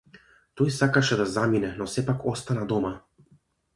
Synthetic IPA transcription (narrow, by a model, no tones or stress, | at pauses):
t̪ojsakaʃɛd̪azaminɛnɔsɛpakɔst̪anad̪oma